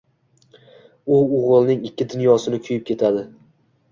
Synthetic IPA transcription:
ʊʊʁɨlˠnɪŋɪkʲːɪd̪ʊnjɒsɪnɪkʲʰʊjɪp̚kʲʰe̞t̪ʰad̪ɪ

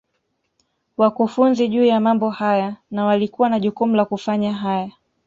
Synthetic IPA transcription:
wakufunziʄuːjamambɔhajanawalikuwanaʄukumulakufaɲaɦaja

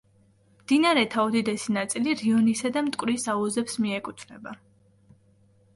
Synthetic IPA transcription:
md̪̥inaɾɛt̪ʰaɔd̪id̪ɛsinat̪sʼiliɾiɔnisad̪amt̪ʼkʼwɾisauzɛpsmiɛkʼut̪ʰvɾɛba

